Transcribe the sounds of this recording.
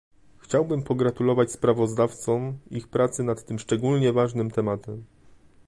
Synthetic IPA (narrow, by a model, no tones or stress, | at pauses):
xt͡ɕawbɘmpɔɡɾat̪ulɔvat͡ɕspɾavɔzd̪aft̪sɔmixpɾat̪sɘnat̪ːɘmʂt͡ʂɛɡulɲɛvaʐnɘmt̪ɛmat̪ɛm